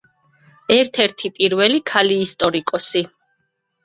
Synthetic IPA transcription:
ɛɾt̪ʰɛɾt̪ʰipʼiɾvɛlikʰaliːst̪ʼɔɾikʼɔsi

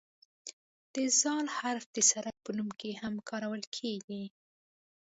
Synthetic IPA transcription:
d̪̥əzɑlhaɾfd̪esaɾapənumkehamkʰɑɾawəlkʰeɡi

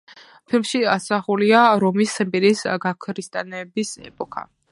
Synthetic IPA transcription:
pʰilˠmʃiasaχuliaɾɔmisɛmpʼiɾisɡakʰɾist̪ʼanɛbisɛ̰pʼɔkʰa̰

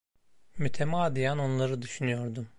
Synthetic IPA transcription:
myt̪ʰemaːd̪ijano̞nlˠaɾɯd̪yʃynyjo̞ɾd̪um

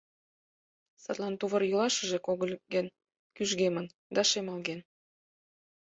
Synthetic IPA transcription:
sɑt̪lɑnt̪uβərjulɑʃə̆ʒĕkoɣəlʲɡen | kyʒɣemən | d̪ɑʃemɑlɣen

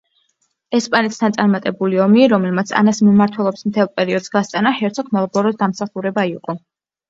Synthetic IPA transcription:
ɛspʼanɛt̪sʰt̪ʰansʼaɾmat̪ʼɛbuliɔmiɾɔmɛlmat̪sʰa̰nasmimaɾt̪ʰwɛlˠɔpsmt̪ʰɛlˠpʼɛɾiɔd̪z̥ɡast̪sʼanahɛɾt̪sʰɔkʰmɛlˠɡɔɾɔd̪amsaχuɾɛbaiṵqʼɔ

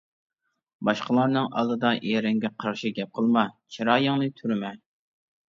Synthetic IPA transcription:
bɑʃqəlˠɑɾnɨŋʔɑ̰lˠɨd̪ɑʔeɾɪŋɡʲɛqʰɑɾʃiɡʲɛp̚qʰəlˠmɑt͡ʃʰiɾɑːjɑŋnɨt̪ʰyɾmɛ

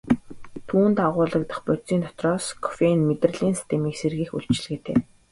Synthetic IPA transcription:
t̪ʰuːnt̪aʁʊːɮə̆k̚t̪ə̆χpʊt͡siːnt̪ɔ̥t̪rɔːskʰɔ̥fenmet̪̆r̆ɮiːnsi̥st̪ʰemiːkserɣiːxṵɮt͡ɕɪ̆ɮɣɘ̆ːt̪ʰḛː

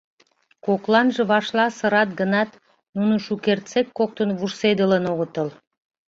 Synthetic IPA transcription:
koklˠɑnʒə̆βɑʃlˠɑsə̆ɾɑt̪̚ɡə̆nɑt̪ | nunuʃukert̪t͡sekːok̚t̪ənβursed̪ələnoɣə̆t̪əl

